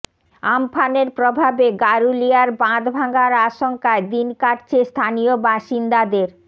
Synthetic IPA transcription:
ampʰaneɾpɾobʱabeɡaɾuliaɾbãd̪bʱaŋɡaɾaʃoŋkaed̪inkaʈt͡ɕʰest̪ʰaniobaʃind̪ad̪eɾ

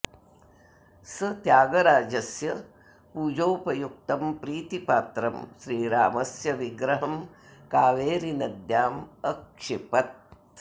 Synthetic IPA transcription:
sɐt̪jaːɡɐɾaːd͡ʒɐsjɐ | puːd͡ʒoːpɐjuk̚t̪ɐmpɾiːt̪ipaːt̪ɾɐmʃɾiːɾa̰ːmɐsjɐʋiɡɾɐɦɐmkaːʋeːɾinɐd̪jaːmɐkʂipɐt̪̚

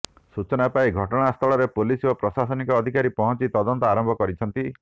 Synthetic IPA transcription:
sut͡ʃɔnapaiɡʱɔʈɔɽ̃ast̪ʰɔɭɔɾepulisopɾɔsasɔnikɔːd̪ʱikaɾipɔɦɔnt͡ʃit̪ɔd̪ɔnt̪ɔaɾɔmbʱɔkɔɾit͡ʃʰɔnt̪i

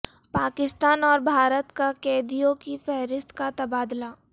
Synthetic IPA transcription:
paːkɪst̪aːnɔːɾbʱaːɾət̪kakɛːd̪ijõkifɛɦɾɪst̪kat̪ɐbaːd̪laː

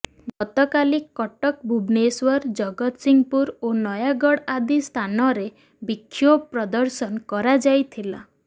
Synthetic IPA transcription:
ɡɔt̪ɔkalikːɔʈɔk̚bʱubneswɔɾd͡ʒɔɡɔt̪siŋpuɾonɔjaɡɔɽad̪ist̪ʰanɔɾe | bikʰːjobpɾɔd̪ɔɾsɔnkɔɾad͡ʒajt̪ʰila

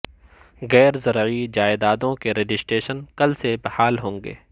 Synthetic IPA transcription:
ɣɛːɾzɐɾid͡ʒaːɪd̪aːd̪õkeɾed͡ʒɪsʈeːʃənkɐlsebɐhaːlɦõːŋɡḛː

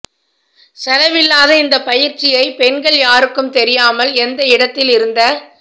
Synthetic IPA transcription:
sɐlɐʋɪlːaːðɐɪnd̪ɐpɐjɪɾt͡ʃɪjɐɪpɛnɡɐɭjaːɾɯkːɯmt̪ɛɾɪjaːmɐlɛnd̪ɐɪɽɐt̪ːɪlɪɾɯnd̪ɐ

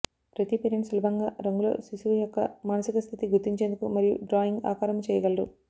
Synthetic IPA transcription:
pɾɐt̪ipeɾiɳsɐlɐbʱɐŋɡaːɾɐŋɡulo̞̰ːsisujɔkːɐ̰maːnɐsikɐst̪ʰit̪iɡuɾt̪iɲt͡ʃend̪ukumɐɾijṵɖɾaːjiŋɡa̰ːkaːɾɐmt͡ʃɛːjɐɡɐlɐɖu

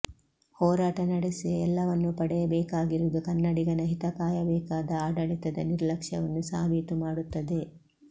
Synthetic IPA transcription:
hɔːɾaːʈɐnɐɽesiɛlːɐʋɐnːupɐɽɛjɐbɛːkaːɡiɾud̪ukɐnːɐɽiɡɐnɐɦit̪ɐkaːjɐbɛːkaːd̪ɐaːɖɐɭit̪ɐd̪ɐniɾlɐkʂɐʋɐnːusaːbʱit̪umaːɽut̪ːɐd̪e̞

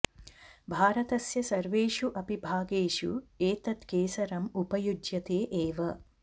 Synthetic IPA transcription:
bʱaːɾɐt̪ɐsjɐsɐɾʋeːʃuʔɐpibʱaːɡeːʃṵeːt̪ɐt̪keːsɐɾɐmupɐjudjɐt̪eːʔeːʋɐ

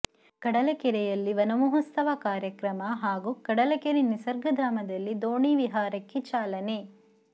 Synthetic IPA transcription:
kɐɽɐlɐkɛɾɛjɐlːiʋɐnɐmuɦɐst̪ɐʋɐkaːɾjɐkɾɐmɐɦaːɡukɐɽɐlɐkɛɾinisɐɾɡɐd̪ʱaːmɐd̪ɐlːid̪oːɳiːʋiɦaːɾɐkːet͡ʃaːlɐne

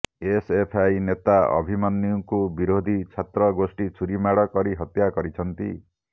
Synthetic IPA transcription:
esepʰajnet̪aɔ̰bʱimanːiuŋkubiɾod̪ʱit͡ʃʰat̪ɾɔɡosʈit͡ʃʰuɾimaɽɔkɔɾiɦɔt̪jakɔɾit͡ʃʰɔnt̪ḭ

